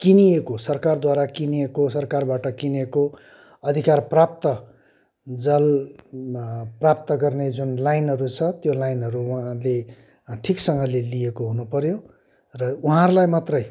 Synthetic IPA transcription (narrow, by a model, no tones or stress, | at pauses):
kiniekosʌrkard̪waɾakiniekosʌrkarbaʈʌkineko | ʌd̪ʱikarprap̚t̪ʌ | d͡zʌl | prap̚t̪ʌɡʌrned͡zunlajnɦʌɾut͡sʰʌt̪jolajinɦʌɾuwɦãle | ʈʰiksʌŋɡʌlelijekoɦunupʌɾjo | rʌuɦãɾulajmat̪rʌj